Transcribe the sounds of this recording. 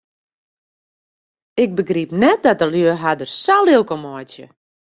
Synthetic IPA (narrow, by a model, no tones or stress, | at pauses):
ɪk̚bəɡripnɛt̚dɔt̚əljøəɦadərsalˠɪlˠkomɔjtjə̰